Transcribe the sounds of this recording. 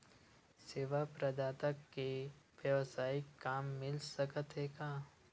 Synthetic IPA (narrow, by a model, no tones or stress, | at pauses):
seːʋapɾɐd̪aːt̪əkːeʋjəʋsaːikːaːmːɪlsəkət̪ɦɛkaː